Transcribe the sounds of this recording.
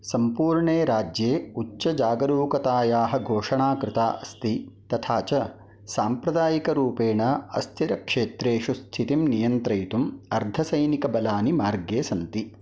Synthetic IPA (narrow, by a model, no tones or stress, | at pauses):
sɐmpuːɾɳeːɾaːd͡ʒjeːut͡ʃːɐd͡ʒaːɡɐɾuːkɐt̪aːjaːɦɐɡʱoːʂɐɳaːkɾɪt̪aːʔɐst̪it̪ɐt̪ʰaːt͡ʃɐ | saːmpɾɐd̪aːjikɐɾuːpeːɳɐɐ̰st̪ʰiɾɐkʂeːt̪ɾeːʃust̪ʰit̪imnijɐnt̪ɾɐjt̪umɐɾd̪ʱɐsɐjnikɐbɐlaːnimaːɾɡeːsɐnt̪i